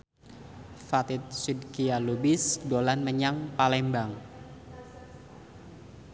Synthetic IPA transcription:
fat̪ɪt̪̚sidkialubisdolanməɲaŋpalɛmbaŋ

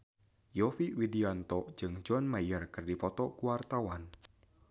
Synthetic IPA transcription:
jɔfiwidiant̪ɔ̥d͡ʒɨŋd͡ʒɔnmajərkɨrdipɔt̪ɔkuwart̪awan

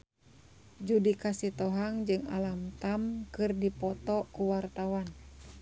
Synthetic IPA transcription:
d͡ʒudikasit̪ɔɦaŋd͡ʒɨŋa̰lamt̪amkɨrdipɔt̪ɔkuwart̪awan

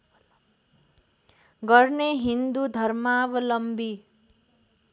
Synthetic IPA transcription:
ɡʌrneɦind̪ud̪ʱʌɾmabʌlʌmbi

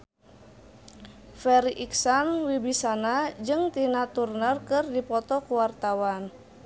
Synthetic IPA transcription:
fɛɾiʔiksanwibisanad͡ʒɨŋt̪inat̪urnərkɨrdipɔt̪ɔkuwart̪awan

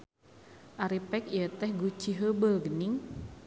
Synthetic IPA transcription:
ʔaɾipɛkijət̪ɛhɡut͡ʃiɦəbəlɡəniŋ

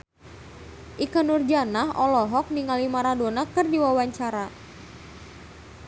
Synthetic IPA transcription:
ʔikanurd͡ʒanaɦʔɔlɔɦɔk̚niŋalimaɾadonakɨrdiwawaɲt͡ʃaɾa

